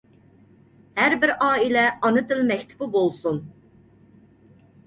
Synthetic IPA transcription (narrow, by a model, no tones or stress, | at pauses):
hæɾbɪɾɑːilɛɑnɨt̪ɪlmɛkʲt̪ʰɪ̥bubolˠsun